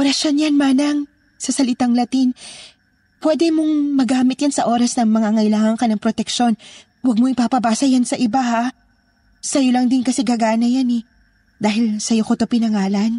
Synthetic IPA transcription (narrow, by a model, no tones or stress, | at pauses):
ʔoɾɐsonjanmaːnɐŋ | sɐsɐlɪt̪aŋlɐt̪in | pwɛd̪ɛmoŋmɐɡaːmɪt̪̚jansɐʔo̞ːɾɐsnɐŋmɐŋaŋɐjlaːŋɐŋkɐnɐŋpɾot̪ɛkʃo̞n | wɐɡ̚moʔɪpapɐbaːsɐjansɐʔɪbaha | sɐjolɐŋd̪ɪnkɐsɛɡɐɡaːnɐjanɛ | d̪aːɦɪlsɐjokot̪o̞pɪnɐŋaːlɐn